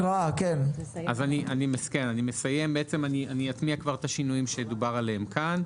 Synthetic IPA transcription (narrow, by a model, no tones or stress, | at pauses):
akenʔazaniʔanimeske̞nanime̞saje̞mbeet͡se̞manianiat̪miakvaʁt̪aʃinujimʃejed̪ubaʁaleemkan